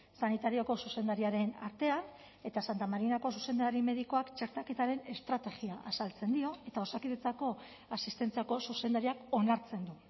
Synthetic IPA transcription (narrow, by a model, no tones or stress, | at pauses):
sanit̪aɾioko̞suse̞nd̪aɾiaɾe̞na̰ɾt̪e̞an | e̞t̪asant̪amaɾinako̞suse̞nd̪aɾime̞ðiko̞akt͡ʃe̞ɾt̪ake̞t̪aɾe̞ne̞st̪ɾat̪e̞ɣiaʔasalt͡se̞nd̪io̞e̞t̪ao̞sakiðet͡sako̞ | asist̪e̞nt͡siako̞suse̞nd̪aɾiako̞naɾt͡se̞nd̪u